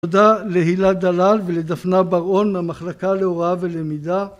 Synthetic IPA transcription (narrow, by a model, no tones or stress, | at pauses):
d̪aleɦilad̪alalveled̪afnabaʁo̞nlamaχlakaleoʁave̞lemid̪a